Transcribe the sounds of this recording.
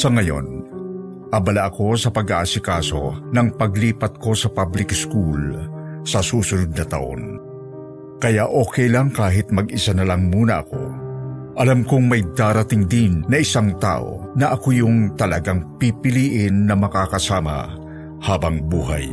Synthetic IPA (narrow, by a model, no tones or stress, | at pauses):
sɐŋɐjo̞̰n | ʔɐbɐlaʔɐko̞sɐpɐɡʔaʔasɪkaːso̞̰nɐŋpɐɡliːpɐt̪̚ko̞sɐpablɪkskulsɐsuːsʊnʊd̪̚nɐt̪ɐ̰ʔo̰n | kɐjaʔo̞ːkɛjlɐŋkaːɦɪt̪̚mɐɡʔɪsanɐlɐŋmuːnɐʔɐ̰ko̞̰ | ʔɐlamkʊŋmɐjd̪aːɾɐt̪ɪŋd̪ɪnːɐʔɪsaŋt̪a̰ːʔo̞̰nɐʔɐkojʊŋt̪ɐlɐɡaŋpipɪliːʔɪnːɐmɐkakɐsaːmɐ̰ | haːbɐŋbuːɦa̰j